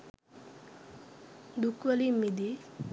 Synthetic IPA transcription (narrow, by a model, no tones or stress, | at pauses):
d̪ukwalimid̪i